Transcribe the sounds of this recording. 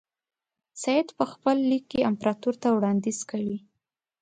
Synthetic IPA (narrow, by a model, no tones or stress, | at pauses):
sɑjɪd̪pəxpəlːikːeampɾɑt̪uɾt̪awɽɑnd̪iz̥kəɽi